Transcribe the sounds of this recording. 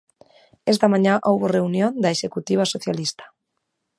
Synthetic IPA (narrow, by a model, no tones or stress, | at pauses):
ɛst̪amãɲãʔowβoreunjond̪aeʃekut̪iβ̞asoθjalist̪ḁ